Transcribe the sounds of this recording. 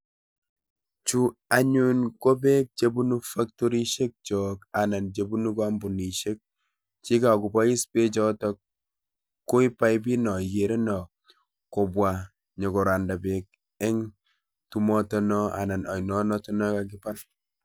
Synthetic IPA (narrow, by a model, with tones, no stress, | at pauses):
t͡ʃu˦a˨ɲu˦nko˦be˦k̚t͡ʃe˦bu˦nu˦fa˦k̚tɔ˦ɾi˦ʃe˦k̚t͡ʃɔ˨ka˨na˨nt͡ʃe˨bu˦nu˦ka˦mbu˨ni˨ʃe˦k̚ | t͡ʃi˦ka˨ku˨pa˦i˦spe˦t͡ʃɔ˦tɔ˦k | kːo˦i˦pa˦jb̬i˦nɔ˨je˨ɾe˦nɔ˨ | ko˨bwa˨ | ɲɔ˨kɔ˨ɾa˨nda˨be˨k̚ | ɛ˦ŋ | tu˦mɔ˦tɔ˦nɔ˦a̰˨na˨na˨jnɔ˦nɔ˦tɔ˦nɔ˦ka˦k̬ɪ˦pa˦ɾ